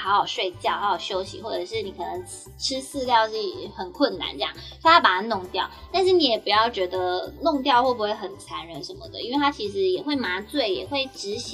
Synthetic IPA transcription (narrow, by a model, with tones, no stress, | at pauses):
xɑ˧˥ʊxɑ˨˩ʊʂwe˥˧ɪt͡ɕjɑ˥˩ʊxɑ˧˥ʊjɑ˨˩ʊɕjo˥ʊɕḭ˧˥xwɔ˥˩ʈ͡ʂɤ˨˩ʂɻ̩˥˩ni˨˥kʰɤ˨˩nɤ˧˦ŋ | ʈ͡ʂʰɻ̩˥sɹ̩˥˧ljɑ˥˧ʊʂi˥˩xə˨˩nkʰwə˥˩nna̰˧˥˦nʈ͡ʂɤ˥˧jɑ̰˥˨˩ŋʰ˥˧a˥pa˨˩a˥˩nʊ˥˧ŋt̪jɑ˥˩ʊt̪a˥˧nʂɻ̩˥˩ni˧˥jɛ˨˩pu˨˩jɑ˥˩ʊt͡ɕɥɛ˧˥d̪ə˧nʊ˥˧ŋt̪̬jɑ˥˧ʊxwɔ˥˩pu˧˥xwe˥˩ɪxə˨˩nt͡sʰa˧˥nɻə˧˥nʂə˧˦nmə̰˧˩d̪ə̰˩˦i˥nwe˥˩ɪt̪ʰa˥t͡ɕʰi˧˥ʂɻ̩˧˥jɛ˨˩xwe˥˩ɪma˧˥t͡swe˥˩ɪjɛ̰˨˩xwe˥˩ɪʈ͡ʂɻ̩˧˥ɕ